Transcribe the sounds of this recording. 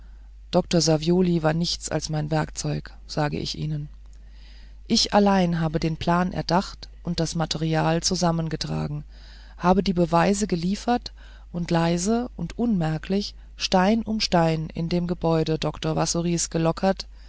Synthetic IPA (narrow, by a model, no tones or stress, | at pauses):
d̥ɔk̚toɐzavjoːlivaːɐnɪçt͡sa̰lsmaɪnvɛɐkt͡sɔʏk | z̥aːɡə̰ʔɪ̰çʔḭːnən | ʔɪçʔa̰laɪnɦaːbədeːnpl̥aːnʔɛ̰ɐdaχtʔʊnt̚d̥asmatʰɛʁiaːlt͡suzamənɡətʁ̥a̰ːɡŋ̩ | haːbədiːbəvaɪzəɡəliːfɐt | ʔʊntʰlaɪzəʔʊntʔʊnmɛɐkʰlɪç | ʃtaɪnʔʊmʃtaɪnɪ̰ndeːmɡəbɔʏdədɔktoɐvasuʁiːsɡ̥əlɔkʰɐt